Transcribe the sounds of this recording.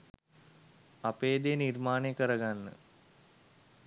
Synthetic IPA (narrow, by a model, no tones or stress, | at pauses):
apeːd̪ijnirmaːnekəɾəɡanːə̰